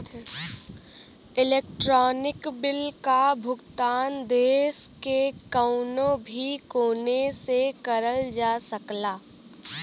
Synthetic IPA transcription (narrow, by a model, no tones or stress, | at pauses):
ɪleːk̚ʈɾɔːnɪkbɪlkabʱʊɡt̪aːnd̪eːskekəʊnõbʱikoːnesekəɾəld͡ʒaːsəklaː